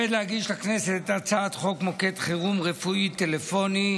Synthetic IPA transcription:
ed̪lehaɡiʃlakne̞set̪t̪at͡saːt̪χo̞kmo̞ke̞t̪χeʁumʁefuit̪elefo̞ni

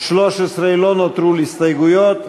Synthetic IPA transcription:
ʃlɔʃɛsɾɛjlonɔt̪ɾuːlist̪ɐjɡʊjɔ

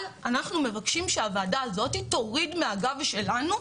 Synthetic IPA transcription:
lanaχnume̞vakʃimʃeavaːdaːzo̞tito̞ʁidmeaɡavʃe̞lanu

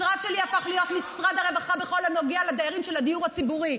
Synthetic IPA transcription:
ʁad̪ʃe̞liafaχlijo̞t̪misʁad̪aʁevaχabeχo̞lamjoɡialad̪ejaʁimʃelad̪ijuʁhat͡sibuʁi

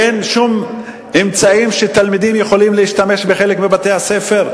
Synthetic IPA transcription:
enʃum | emt͡saimʃet̪almid̪imjeχo̞limleiʃt̪ame̞ʃbeχe̞lekmibat̪e̞hase̞fe̞ʁ

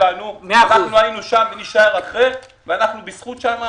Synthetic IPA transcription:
anumeanaχnuajinuʃamveniʃaeʁaχʁe | veanaχnubisχutʃama

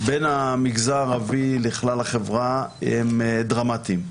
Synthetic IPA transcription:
benamiɡzaʁaviliχlalaχevʁaemd̪ʁamat̪im

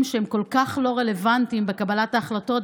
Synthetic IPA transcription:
mʃeemko̞lkaχlo̞ʁe̞le̞vant̪imbekabalataːχlato̞t

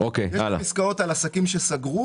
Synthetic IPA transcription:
okejjeala̰iskao̞t̪alasakimʃesaɡʁu

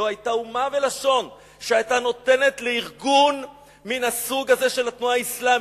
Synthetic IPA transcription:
ohajtaumave̞laʃo̞n | ʃeajtano̞te̞ne̞tleiʁɡun | minhasuɡaze̞ʃe̞lat̪nuaaislam

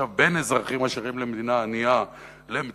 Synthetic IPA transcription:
avbe̞nezʁaχimaʃeʁimle̞med̪inaːnia | lem

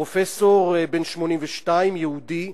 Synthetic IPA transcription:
ofesoʁbenʃmo̞nĩmvɛʃtaimjeud̪i

